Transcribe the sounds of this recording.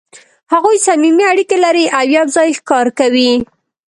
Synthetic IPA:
haɣojsamimiaɽikelaɾiʔawjabzɑjxkɑɾkawi

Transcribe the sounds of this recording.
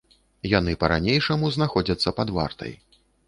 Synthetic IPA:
janɨpɐɾa̰nʲejʂɐmuznaxɔd͡zʲɐt̪sːɐpad̪va̰rt̪ɐ̰j

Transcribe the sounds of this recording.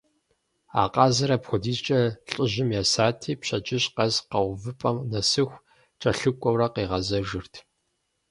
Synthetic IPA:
a̰ːqɑːzɐɾɐpxʷɔdiːzt͡ʃʼɐɬʼɪʑɪmjaːsaːtʰiːpɕɐt͡ʃʼɪɕqɐzqɐwvɨpʼɐmnɐsɨxʷ | t͡ʃʼɐɬɨkʷʼɔwrɐqiːʁɐzɐʒɨrtʰ

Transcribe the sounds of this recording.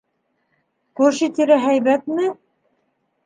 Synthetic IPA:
kʉɾʃit̪iɾæɦæjβæt̪mɘ

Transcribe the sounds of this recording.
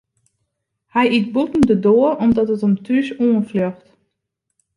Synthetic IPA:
hɛjit̚butn̩dədoərɔmdɔtətɔmtʰyʃuənfløxt

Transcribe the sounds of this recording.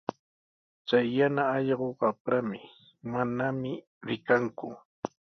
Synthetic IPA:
t͡sajːanaɑʎɢoɢapɾamɪ | manamɪ | ɾɪkaŋkʊ̰

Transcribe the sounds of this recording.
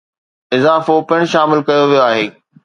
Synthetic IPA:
ɪzaːfopɪɽ̃̆ʃaːmɪlkɐjoʋijoaːɦeː

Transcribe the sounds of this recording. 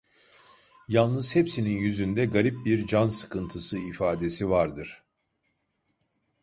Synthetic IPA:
jalˠnɯz̥hɛpsininjyzynd̪ɛɡaɾip̚biɾd͡ʒansɯ̥kʰɯnt̪ʰɯsɯifaːd̪e̞sivaɾd̪ɯɾ̥

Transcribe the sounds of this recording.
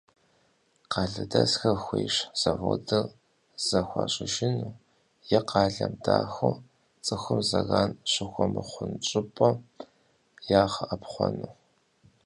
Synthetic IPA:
qɑːɮɨdɐsxɐxʷeːʂz̥ɐvo̰ːdɨr | z̥ɐxʷɑːɕʼɪʒɪnuː | jɛqɑːɮɐmdaːxʷo | t͡sʼɨxʷʊmzɐɣaːnɕɪxʷɔmɨχʷʊnt͡ʃʼɪpʼɔ | jaːχəʔɐpχʷɔnuː

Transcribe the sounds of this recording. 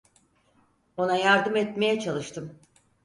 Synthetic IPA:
o̞najaɾd̪ɯmɛt̪me̞jɛt͡ʃʰalˠɯʃt̪ʰɯm

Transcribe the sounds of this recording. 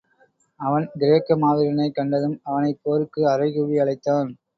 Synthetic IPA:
ɐʋɐnɡɪɾeːkːɐmaːðɪɾɐnɐɪkːɐɳɖɐðɯmɐʋɐnɐɪpoːɾɯkːɯɐɾɐɪɣʊʋiɐɭɐɪt̪ːaːn

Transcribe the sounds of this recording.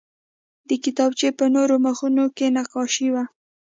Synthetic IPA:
d̪əkɪt̪ɑbt͡ʃepənoɾoməxunokenaqɑʃiwa

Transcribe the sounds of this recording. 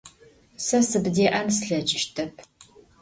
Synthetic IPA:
sɐsɨbdeːʔɐnsɬɐd͡ʒɪʃtʰɐpʰ

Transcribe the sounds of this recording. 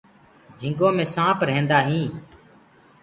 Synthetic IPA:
d͡ʒʱɪ̃ŋɡõːmẽːsãːpɾɛẽːnd̪aːɦĩː

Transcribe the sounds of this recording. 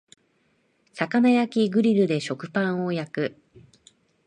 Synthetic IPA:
sakanajakʲiɡɯ̟ɾʲiɾɯ̟d̪e̞ɕo̞kɯ̟̥pãɰ̃o̞jakɯ̟

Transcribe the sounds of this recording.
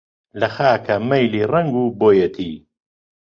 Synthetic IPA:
lɐxaːkʰɐmɐjliːrɐŋɡuːboːjɐt̪ʰiː

